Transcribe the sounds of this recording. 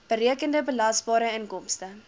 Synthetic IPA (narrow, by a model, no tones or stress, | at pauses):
b̥əɾiəkəndəbəlɐsbɑːɾəənkɔmstə